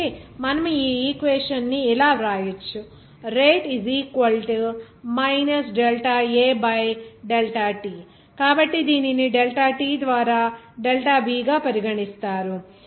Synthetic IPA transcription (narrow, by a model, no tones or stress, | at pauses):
emɐnɐmuiːiːkʋeːʂɐnːiːlaːɾaːjɐt͡ʃːu | ɾeːʈiziːkʋɐlʈi | mɐjnɐsɖelʈaːeːbɐjɖelʈaːʈiː | kaːbɐʈːid̪iːniniɖelʈaːʈiːd̪ʋaːɾaː | ɖelʈaːbiːɡaːpɐɾiɡɐɳist̪aːɾu